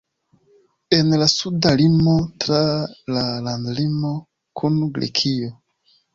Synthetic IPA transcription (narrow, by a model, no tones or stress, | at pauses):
e̞nlasudalimo̞tɾalalandlimo | kʰunɡɾḛkʰio